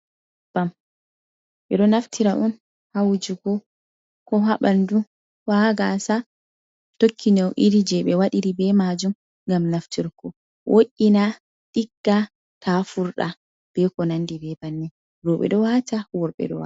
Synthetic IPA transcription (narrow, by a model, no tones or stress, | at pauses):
b̥am | ʔɛɗɔnaftʰiɾaʔun | hawd͡ʒuɡɔ | kɔɦaɓandu | waɡasa | tokʰːinawʔiɾid͡ʒɛɓɛwaɗiɾibɛmad͡ʒum | ɡamnaftiɾkɔ | wʔoʔːina | ɗiɡːa | tafuɾɗa | b̥ɛkɔnandibɛbanːi | ɾɔɓɛ̰ɗɔwatawɔɾɓɛ̰ɗɔ̰wa̰